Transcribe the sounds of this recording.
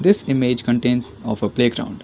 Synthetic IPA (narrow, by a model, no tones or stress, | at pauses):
d̪ɪsɪmeːd͡ʒkə̃ɳʈẽːns | ɔːfəpleːɡɾã̰ʊ̃ɳɖ